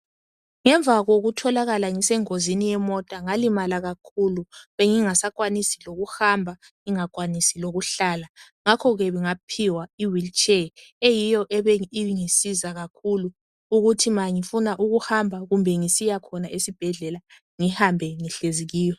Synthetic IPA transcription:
ŋɛɱbvaɣoɣutʰɔlaɣalaŋisɛŋozinijɛmɔtʼaŋalimalaɣakʰuluβeŋiŋasakʼwanisiloɣuhambʱa | ŋiŋakwanisiloɣuɬala | ŋakʰɔɣɛβiŋapʰiwaiwilt͡ʃʼɛejijɔʔɛβɛiŋisizaɣakʰulu | uɣutʰimaŋifunaʔuɣuhambʱaɣumbʱɛŋisijakʰɔnaʔesib̥ʱɛɮɛla | ŋihambʱɛŋiɬeziɣiːjɛ

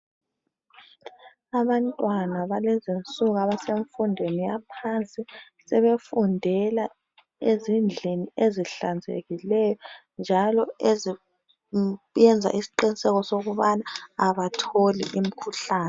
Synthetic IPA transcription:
aβantʼwanaβalɛzint͡sʼuɣaβaseɱfundʱwenijapʰant͡sʼi | sɛβefundʱɛla | ezind͡ɮʱinieziɬand͡zʱḛɣilɛjɔ | nd͡ʒʱalɔezi | jɛnd͡zʱa̰ʔisi̥ǃinisɛɣɔsoɣuβanaːβatʰolḭʔim̩kʰuɬaːnɛ

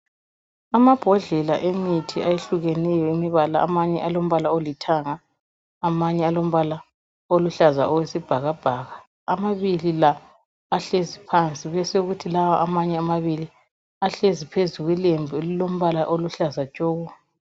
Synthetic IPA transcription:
amab̥ʱɔɮɛlaʔemitʰiajeɬuɣɛnɛjɔimiβalaa̰maɲɛʔalom̩βalaolitʰaŋaː | maɲɛalom̩βala | oluɬaza̰ʔɔwesib̥ʱaɣab̥ʱaɣa | amaβililaː | ɬezipʰant͡sʼiβɛseɣutʰilawaʔamaɲɛamaβili | aɬezipʰezuɣilembʱulilom̩βalaʔoluɬazat͡ʃʼɔːɣɔ

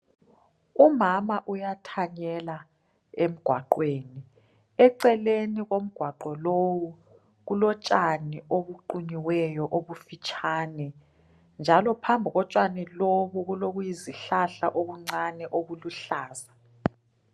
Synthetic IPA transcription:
umamaʔujatʰaɲɛla | em̩ɡ̥ʱwaǃweːni | ɛǀɛleniɣom̩ɡ̥ʱwaǃɔlowu | ɣulɔt͡ʃʼanioβuǃuɲiwɛjɔʔoβufit͡ʃʼʰaːnɛ | nd͡ʒʱalɔpʰambʱiɣɔt͡ʃʼaniloβuɣuloɣujiziɬaɬa̰ʔoɣuŋ͡ǀanɛʔoɣuluɬaːza

